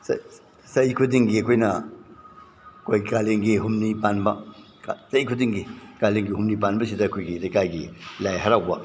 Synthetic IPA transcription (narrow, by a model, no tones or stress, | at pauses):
s | sɐjkʰudiŋɡiɐkʰojnɐ | kojkaliŋɡiɦumnipanbɐ | asɐjkʰudiŋɡikaliŋɡiɦumnipanbɐsidɐkʰojɡilɐjkajɡilajɦɐɾawbɐ